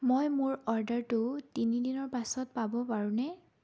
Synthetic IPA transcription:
mojmʊɹɔɹdaɹtʊtinidinɔɹpasɔt̚pabɔpaɹunɛ

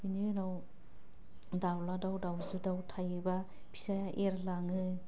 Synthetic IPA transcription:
bininaw | dawladawdawzɯdawtʰajɯba | pʰi̥sajaʔeɾlaŋɯ

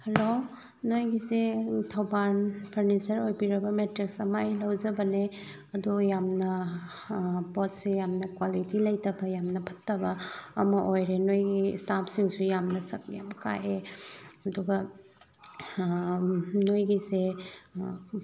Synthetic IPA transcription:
hɐlo | nojɡisetʰɐwbanpʰɐɾnit͡ʃɐɾojbiɾɐbɐmetɾiksɐmajlɐwd͡ʒɐbɐne | ɐdujamnɐ | pɔt̚sejamnɐkwalitilɐjtɐbɐjamnɐpʰɐ̥tːɐbɐ̰ːmɐʔojɾenojɡḭstapʰsiŋsujamnɐsɐk̚ja̰mka̰jeɐduɡɐ | nojɡise

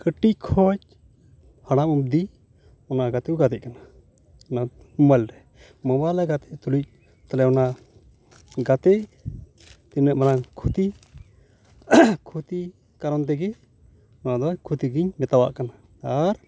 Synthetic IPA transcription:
kəʈickʰɔc̚ | haɽ̃amub̚d̪i | ɔnaɡat̪ɛkuɡat̪ɛʔkana | ɔna | mɔmajlɾɛ | mɔmajlaɡat̪ɛʔt̪ulic̚ | t̪alɛɔna | ɡat̪ɛʔ | t̪inːəʔmanakʰut̪i | kʰut̪i | kaɾɔnt̪ɛɡɛ | ɔnad̪ɔkʰut̪iɡiɲmɛt̪awa̰ʔkanaː | ɾ

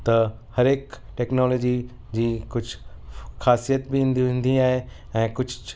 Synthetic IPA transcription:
t̪ɐ | hɐɾeːk | ʈeːknɔːloːd͡ʑi | d͡ʑiːkʊd͡ʑʱʊxaːsijət̪bɪĩːn̆d̪iʋẽːn̆d̪iaːɦe | ɛ̃ːkʊd͡ʑʱ

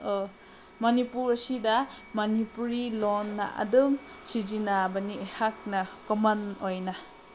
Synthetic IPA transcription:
mɐnipuɾɐsida | mɐnipuɾilonːa̰ʔa̰dɯm | sid͡ʒinabɐniehak̚nakɔmanojna

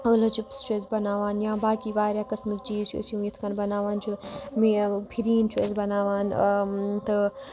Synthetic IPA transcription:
əlɐt͡ʃipst͡ʃeːzbɐnaːʋaːnjãːbaːkiʋaːɾʲjaːkɐsmikd͡ʒiːz̰sjũːjit̪ʰkɐnbɐnaːʋaːnt͡ʃomipʰiɾiːnt͡ʃʰḛzbɐnaːʋaːn | t̪ɐ

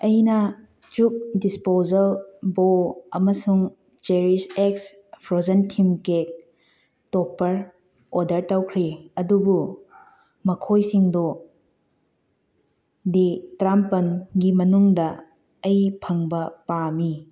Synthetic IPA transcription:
ɐjnɐ | t͡ʃuk̚dispozɐlboɐ̰mɐsuŋ | t͡ʃeɾiseks | pʰɾozɐntʰimkek̚ | topːɐɾ | odɐɾtawkʰɾiɐdubu | mɐkʰojsiŋdo | ditɾampɐnɡimɐnuŋdɐː | jpʰɐŋbɐpami

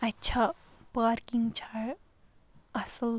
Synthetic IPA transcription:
ɐtːʃʰapaːɾkiŋɡt͡ʃʰaː | ɐsəl

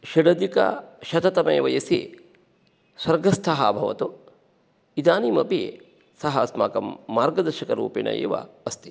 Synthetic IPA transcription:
ʃɐɖɐd̪ikɐ̰ʃɐt̪ɐt̪ɐmɐːʋɐjɐsḛ | swɐɾɡɐst̪ʰɐɦaːbʱɐʋɐ̰t̪u | id̪aːniːmɐpi | sɐɦɐsma̰ːkɐmːaːɾɡɐd̪ɐɾʃɐkɐɾṵːpinɐ̰jḛːʋɐ̰ɐst̪i̥

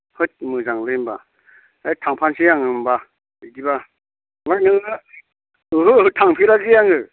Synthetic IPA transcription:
hʰɯt̚mɯzaŋlɯmba̰ | atʰaŋpʰansijaŋɯmba | ɯɡiba | mak̚nɯŋɯ | ɯɦɯɦɯtʰaŋpʰilazijaŋɯ

